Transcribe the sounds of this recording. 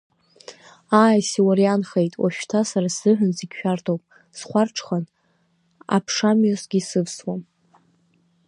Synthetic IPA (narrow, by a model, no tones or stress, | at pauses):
aːjsiwaɾjanχejtʼwa̰ʃᶣtʰasaɾaszɨħʷᶣʊnziɡʲʃᶣartʰowpʼ | sχʷarʈ͡ʂʰχan | a̰pʰʂamɥasɡ̥ʲisɨvswam